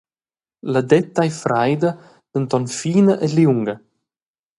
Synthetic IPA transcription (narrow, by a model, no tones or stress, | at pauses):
lad̪ɛt̪ːajfɾajd̪ə | d̪̥ənt̪ɔnfiːnəʔɛliuŋɡə